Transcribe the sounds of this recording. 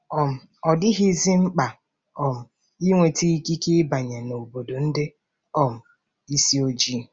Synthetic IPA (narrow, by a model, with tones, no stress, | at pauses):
ɔ˨m̩˨ | ɔ˨dɪ˦ɦi˦zi˦ŋ͡m̩˦k͡pa˨ | ɔ˨m̩˨ | i˦ŋʷe˨ti˦i˦ki˦kɪ˦ba˨ɲe˨no˨o˨bo˨do˨n̩˦dɪ˦ | ɔ˦˨m̩˨ | i˦si˦o˦d͡ʒi˦˨